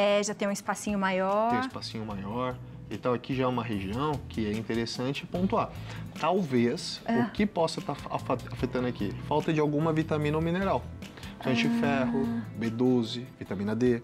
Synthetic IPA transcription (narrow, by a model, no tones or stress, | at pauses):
ɛʒat̪ẽj̃ũispasĩɲʊmajɔ̃j̃ɪspasĩɲʊmajɔɾ | it̪ãwakiʒaɛũmɐɦeʒiɐ̃w̃kʰɪɛĩnt̪eɾesɐ̃nt͡ʃɪpõnt̪uat̪awvesʊkɪpɔsɐt̪aafafet̪ɐ̃nd̪akifawt̪ɐd͡ʒɪawɡũmɐvit̪amĩnomĩneɾaw | kɐ̃t͡ʃɪfɛɦʊbed̪ozɪvit̪amĩnɐd̪e